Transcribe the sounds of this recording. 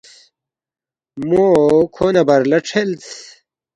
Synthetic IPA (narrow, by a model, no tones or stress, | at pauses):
mokʰoːnɐbɐɾlɐʈ͡ʂʰelt̪ʰ